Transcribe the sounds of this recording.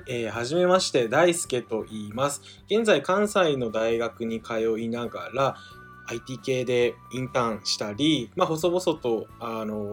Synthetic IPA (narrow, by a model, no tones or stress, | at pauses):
eːhaʑime̞maɕi̥t̪e̞d̪aisɨ̥ke̞t̪o̞ʔiːmasɨ̥ | ɡ̥ẽ̞nd͡zaikãɰ̃saino̞d̪aiɡakɯ̟ɲ̟ikʰajo̞inaɡaɾaː | it̪ʲiːke̞ːd̪e̞ĩnt̪ãɰ̃ɕi̥t̪aɾʲimaɦo̞so̞bo̞so̞t̪o̞ano̞